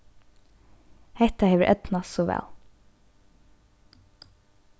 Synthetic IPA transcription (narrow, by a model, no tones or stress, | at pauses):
hɛt̪ahɛːʋəʔœt̪nasɔʋɛ̰ːl